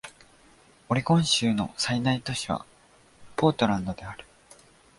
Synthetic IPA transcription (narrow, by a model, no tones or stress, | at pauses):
o̞ɾʲikõ̞ɰ̃ɕɨːno̞̰sainait̪o̞ɕiβa̰ | po̞ːt̪o̞ɾãnd̪o̞d̪e̞aɾɯ̟